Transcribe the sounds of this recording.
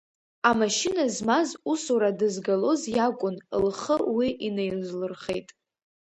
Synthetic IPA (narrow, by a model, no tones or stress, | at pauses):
amaʃɪnazmazusuɾadɨzɡalo̞zjakʷʼʊnlχəwiʔinejlzlɨrχe̞̰jtʼ